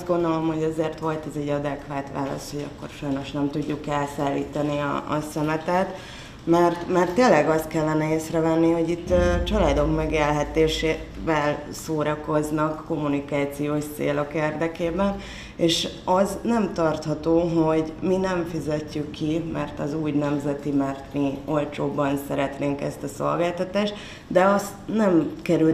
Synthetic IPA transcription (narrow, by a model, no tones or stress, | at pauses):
zɡo̞nd̪o̞lo̞mho̞ɟɒzeːrt̪ʋo̞lt̪ɛzɛɟɒd̪ɛkʋaːt̪ʋa̰ːlɒ̰st̪ho̞ɟɒ̰kːo̞̰rʃɒjno̞ʃnɛmt̪uɟːukɛlsaːlːiːt̪ɒniɒ̰ɒ̰sɛmɛt̪ɛt̪ | mɛrt̪mɛrt̪ːeːlːɛɡɒst̪kɛlːɛnɛeːsrɛvɛnːiho̞ɟit̪ːt͡ʃɒlaːd̪o̞kmɛɡeːlɦɛt̪eːʃeːvɛl | soːɾɒko̞znɒkːo̞mːunikaːt̪sijoːʃtsḛːlo̞keːrd̪ɛkeːbɛn | eːʃ | ɒznɛmt̪ɒrt̪hɒt̪oːɦo̞ɟminɛɱfizɛcːykːimɛrt̪ɒzuːɟnɛmzɛt̪imɛrt̪mio̞lt͡ʃoːbːɒnsɛɾɛt̪neːŋkɛ̰st̪ɒso̞̰lɡaːlt̪ɒt̪aːʃt̪ | d̪ɛɒsnɛmkɛɾy